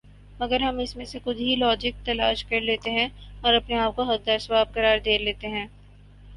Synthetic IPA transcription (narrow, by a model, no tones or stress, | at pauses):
mɐɡəɾɦɐmɪsmẽsexʊd̪ʱɦilɔːd͡ʒɪk̚t̪ɐlaːʃkɐɾleːt̪eɦɛ̃ɔːɾɐpneaːp̚koɦɐt̪̚d̪aːɾsʋaːb̚kɐɾaːɾd̪eːleːt̪eɦɛ̃ː